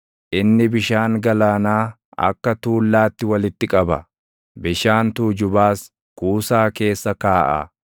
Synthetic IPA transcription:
ʔɪnːɪbɪʃaːŋɡɐlaːnaː | ɐ̰kːɐt̪uːlːaːt̪ːɪwɐlɪt̪ːɪkʼɐbɐ | bɪʃaːnt̪uːd͡ʒʊbaːs | kuːsaːke̞ːsːɐkaːʔɐ̰

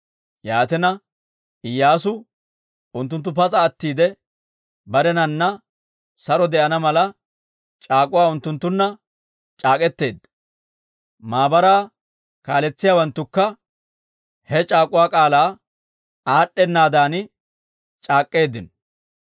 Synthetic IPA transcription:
jaːt̪ɛnɐ | ɪjːaːsʊ | ʊnt̪ːʊnt̪̬ːʊp̬ɐt͡sʼɐːt̪ːiːd̪ɛ | bɐɾɛnɐnːɐ | sɐɾɔd̪ɛʔɐnɐmɐlɐ | t͡ʃʼaːkʼʊwaːʊnt̪ːʊnt̪ːʊnːɐ | t͡ʃʼaːkʼɛt̪ːe̞ːd̪ | maːbɐɾaː | kaːlɛt͡sːɪjaːwɐnt̪ːʊkːɐ | hɛt͡ʃʼaːkʼʊwaːkʼaːlaː | aːɗːɛnːaːd̪aːnɪ | t͡ʃʼaːkʼːe̞ːd̪ɪn

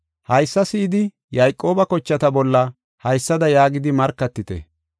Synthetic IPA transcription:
hɐjsːɐsɪːd̪ɪ | jɐjkʼːo̞ːbɐkɔt͡ʃːɐt̪ɐbɔlːɐ | hɐjsːɐd̪ɐjaːɡɪd̪ɪmɐɾkːɐt̪ːɪt̪ɛ̰

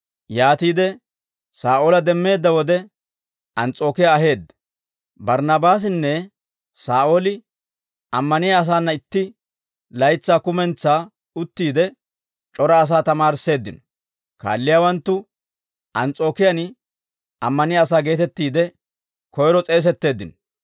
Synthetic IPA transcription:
jaːt̪iːd̪ɛ | saːʔoːlɐd̪ɛmːe̞ːd̪ːɐwɔd̪ɛ | ʔɐnt͡sʼo̞ːkɪjaːɦe̞ːd̪ːɐ | bɐɾnɐbaːs̬ɪnːɛ | saːʔoːlɪ | ɐmːɐnɪjaːs̬aːnːɐɪt̪ːɪ | lɐjt͡sːaːkʊmɛnt͡sːaː | ʊt̪ːiːd̪ɛ | t͡ʃʼɔɾɐːs̬aːt̪ɐmaːɾse̞ːd̪ːɪnɔ | ka̰ːlːɪjaːwɐnt̪ːʊ | ʔɐnt͡sʼo̞ːkɪjɐn | ɐmːɐnɪjaːsaːɡe̞ːt̪ɛt̪ːiːd̪ɛ | kʰɔjɾɔt͡sʼe̞ːs̬ɛt̪ːe̞ːd̪ːɪnɔ

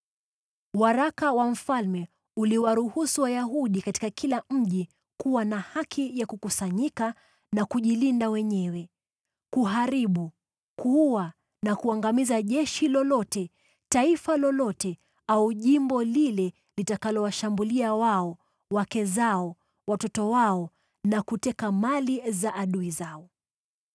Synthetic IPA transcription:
waɾakawam̩falmɛ | uliwaɾuhusuwajaɦuɗikati̥kakʰilam̩ʄi | kuwanahakʰijakukusaɲika | nakuʄilindawɛɲɛwɛ | kuɦaɾiɓu | kuuwa | nakuaŋɡamizaʄɛʃilɔlɔtɛ | taifalɔlɔtɛ | auʄimbɔlilɛ | litakalɔwaʃambuliawaɔ | wakɛzaɔ | watɔtɔwaɔ | nakutɛkamalizaʔaɗuizaɔ

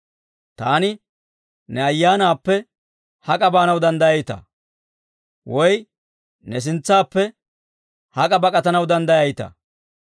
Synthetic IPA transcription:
t̪aːnɪ | nɛɐjːaːnaːpːɛ | hɐkʼɐbaːnɐwd̪ɐnd̪ɐjɐjt̪ɐ̰ | wɔj | nɛs̬ɪnt͡sːaːpːɛ | hɐkʼɐbɐkʼɐt̪ɐnɐwd̪ɐnd̪ɐjɐjt̪ɐ̰

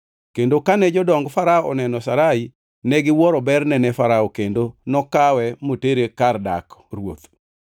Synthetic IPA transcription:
kendokanɛd͡ʒɔdɔŋɡfaɾaɔʔɔnɛnɔsaɾai | nɛɡɪwɔɾɔbɛrnɛnɛfaɾaɔkendonɔkawɛmoteɾekarda̰krwo̰t̪

